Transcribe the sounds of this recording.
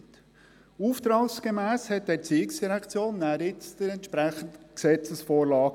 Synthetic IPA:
t | uft̪ɾɑːksɡ̥emæːshɛt̪̚d̥̪ɛːɾt͡siːɪksd̥iɾɛkt͡sjoːnːæːɾɪt͡sd̪̥əɾɛnt̪ʃpɾæχən̩d̪ksɛt͡səsfoːɾlɑː

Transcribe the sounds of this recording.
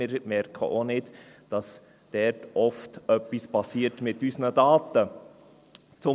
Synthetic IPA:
ɪɾmɛɾkʰə̰ʔonɪdd̥ɑs | d̥ɛɾtʔɔftœpːispɑsiːəɾtmɪtysnədɑːtə | t͡sʊ

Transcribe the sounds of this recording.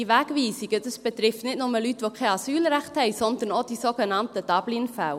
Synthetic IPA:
iʋæːkʋiːsiɡ̥ədəsb̥ət̪ɾɪftnɪtnʊməlytʋokʰɛɑsyːlɾæχthɛɪsɔnd̪ənod̥isoːɡənɑntəd̥ɑb̥linfaʊ

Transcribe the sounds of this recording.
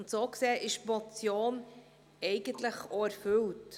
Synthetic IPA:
ntsoːkseːʔɪʃmɔt͡sjoːn | ɛɪɡ̥əntləχoæɾfʏlt

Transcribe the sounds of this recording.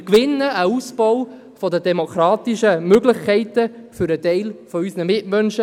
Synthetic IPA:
kʋɪnːəʔəuspɔw | fɔdədɛmokʰɾɑːt̪iʃəmøɡləχkʰɛɪtəfʏɾətɛɪlfɔysnəmɪtmœnʃə

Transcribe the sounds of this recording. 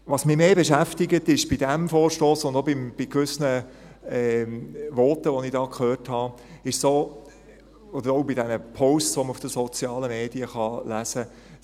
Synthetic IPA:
ʋɑsmɪmeːbɛʃæftɪɡətɪʃb̥id̥ɛmfɔːɾʃtoːsʊnd̪obɪmb̥ikʋʏsnə | ɛʋɔrtəʋɔnɪd̥ɑːkʰχøːrthɑ | ɪʃsoː | ɔd̪əɾɔʊbidɛnəpʰɔʊssʋɔməufd̥əsɔt͡sjɑːləmeːdiəχɑlæsə

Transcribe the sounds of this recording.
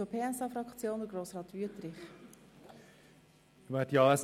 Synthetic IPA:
opʰeːɛsɑːfɾɑkt͡sjoːnd̪əɡɾoːsʁɑːt̪ʋyətɾɪχ | ʋɛːtjɑːɛs

